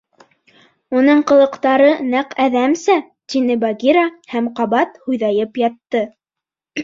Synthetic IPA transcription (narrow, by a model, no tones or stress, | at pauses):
unɤɴqɤ̆lˠɤ̆qt̪ɑɾɤnæqæðæmsæ | t̪inɘbɑɡʲiɾahæmqɑβɑt̪hujðɑjɤpjɑt̪ːɤ